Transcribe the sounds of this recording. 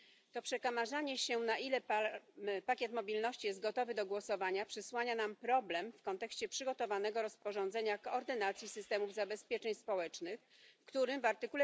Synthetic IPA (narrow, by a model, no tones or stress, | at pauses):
t̪ɔpʂɛkamaʐaɲɛɕɛnaʔilɛ | pakʲjɛt̪mɔbʲilnɔɕt͡ɕijɛzt̪̚ɡɔt̪ɔvɘd̪ɔɡwɔsɔvaɲapʂɘswaɲanampɾɔblɛmfkɔnt̪ɛkɕt͡ɕɛpʂɘɡɔt̪ɔvanɛɡɔɾɔspɔʐɔnd̪zɛɲakɔɔɾd̪ɘnat̪sʲjisɘst̪ɛmuvzabɛspʲjɛt͡ʂɛɲspɔwɛt͡ʂnɘxfkt̪uɾɘmvaɾt̪ɘkulɛ